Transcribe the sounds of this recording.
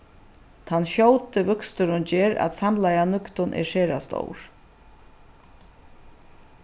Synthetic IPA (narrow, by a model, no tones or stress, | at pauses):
t̪ʰanɕowt̪ɪvʏkst̪ʏɾʊnd͡ʑeːɾa̰t̪samlajanʏkt̪ʊnʔɛ̰ɾʂeːɾast̪o̰wɾ̥